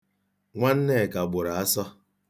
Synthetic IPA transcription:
ŋʷa˦n̩˦ne˦˨ka˨ɡ͡bʊ˨ɾa˨a˦sɔ˦

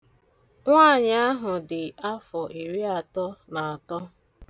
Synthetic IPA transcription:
ŋʷa˦˨ɲ˨a˦ɦʊ˨dɪ˨a˦fɔ˨ʔi˨ɾi˦a˨tɔ˦na˨a˨tɔ˦

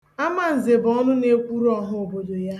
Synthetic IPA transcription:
a˦ma˨n̩˨ze˨bɔ˦nʊ˦ne˦kʷu˦ɾɔ˦˨ɦʊ˦o˨bo˨do˨ja˦

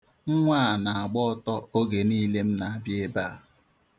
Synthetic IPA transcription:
ŋ̩˦ŋʷaː˦˨na˨a˨ɡ͡bɔ˦ɔ˦tɔ˦o˦ɡe˨niː˦le˦m̩˦na˨a˨bje˦ba˦˨

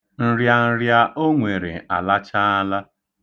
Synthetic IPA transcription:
n̩˨ɾja˨n̩˨ɾja˦ʔo˦ŋʷe˨ɾḛ˨a˨la˦t͡ʃa˦a˦la˦

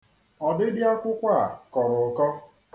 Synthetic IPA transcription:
ɔ˨dɪ˦dɪ˦a˦kʷʊ˦kʷa˦˨kɔ˨ɾʊ˨˦kɔ˦

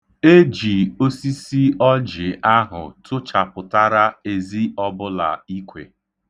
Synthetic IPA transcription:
e˦d͡ʒi˨o˦si˦si˦ɔ˦d͡ʒɪ˨a˦ɦʊ̰˨tʊ˦t͡ʃa˨pʊ˨ta˦ɾa˦e˨zi˦ɔ˦bʊ˦la̰˨i˦kʷḛ˨

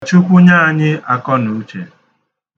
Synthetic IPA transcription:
t͡ʃu˦kʷʊ˦ɲa˦a˨ɲɪ˦a˦kɔ˦nu˨˦t͡ʃḛ˨

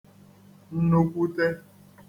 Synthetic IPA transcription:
n̩˦no˦kʷu˦te˦

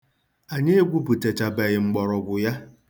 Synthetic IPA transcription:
a˨ɲe˦e˦ɡʷu˦bu˨te˨t͡ʃa˨be˨ɣɪ˨ŋ͡m̩˦ɡ͡bɔ˨ɾɔ˨ɡʷʊ˨ja˦

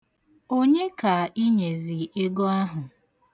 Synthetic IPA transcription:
o˦ɲe˦ka˨ʔi˦ɲe˨zi˨e˦ɡɔ˦a˦ɦʊ˨

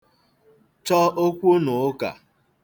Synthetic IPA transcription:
t͡ʃɔ˦o˦kʷu˦no˨˦ka̰˨

